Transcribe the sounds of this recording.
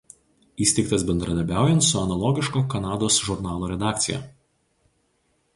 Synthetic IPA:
iːsʲt̪ʲɛɪkt̪ɐsbʲɛnd̪ɾɐd̪ʲɐɾʲbʲæˑʊjɛnt̪sʊɐnɐlˠɔːɡʲɪʃkoːkɐnɑːd̪oːsʒʊɾnɑːlˠoːɾʲɛd̪ɑːkt̪sʲɪjɛ̰

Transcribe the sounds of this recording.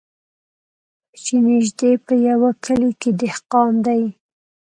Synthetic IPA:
t͡ʃenɪʒd̪epəjawakʰəleked̪ɪhqɑmd̪aj

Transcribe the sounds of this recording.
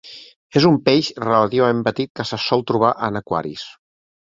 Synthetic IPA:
ezumpeʃrələt̪iβɐmempət̪it̪̚kəsəsɔlˠt̪ɾuβ̞aʔənəkwa̰ɾḭs

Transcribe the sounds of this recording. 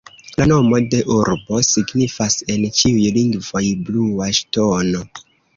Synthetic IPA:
lano̞mo̞de̞ʔuɾbo̞siɡnifase̞nt͡ʃiujliŋɡvo̞jbluaʃtono

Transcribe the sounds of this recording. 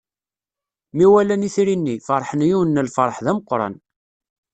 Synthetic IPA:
miwælæniθɾinːifɑɾˤħənjuwənːəlfɑɾˤħðæməqːɾˤɑ̰n

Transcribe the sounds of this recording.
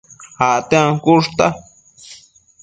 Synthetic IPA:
haʔt̪ẽãkuʐt̪a

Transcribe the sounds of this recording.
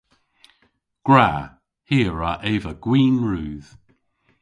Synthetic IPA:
ɡ̥ɹa | hiːɹaʔeːvəɡ̥wiːnɹuːð̥

